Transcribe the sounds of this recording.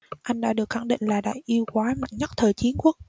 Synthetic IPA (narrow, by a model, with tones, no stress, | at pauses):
ʔa˧jŋ̟ɗa̰ː˧˥ɗɨ˨˩ək̚xa˧˩ŋɗḭ˧˨ŋ̟laː˨˩ɗa̰ː˧˨jʔi˧əwkwaː˨˦ma̰˧˨jŋɲə˦˥t̚t̪ʰəː˨˩jt͡ɕi˨˦ənku˦˥k̚